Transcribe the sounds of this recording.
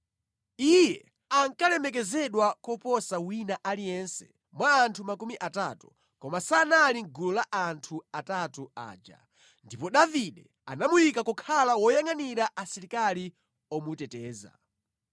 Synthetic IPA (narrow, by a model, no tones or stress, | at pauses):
ijɛ | aŋkalɛmɛk̬ɛzɛɗwakɔpɔsawinaʔalijɛnsɛ̥ | mwaːntʰumakumiʔatatu | kɔmasanaliŋɡulɔlaʔantʰuatatua̰ːd͡ʒa̰ | ndipɔɗaviɗɛ | a̰namujikakɔkʰalawɔjaŋaniɾaʔasɛɾikali | ɔmutɛtɛːza̰